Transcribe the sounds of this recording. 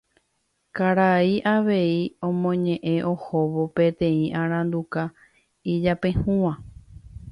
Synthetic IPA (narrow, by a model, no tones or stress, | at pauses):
kaɾaiʔaʋe̞iõ̞mõ̞ɲẽ̞ʔẽ̞ʔo̞ho̞ʋo̞pe̞t̪ẽ̞ĩʔãɾ̃ãnd̪uka | id͡ʒapẽ̞hũʋã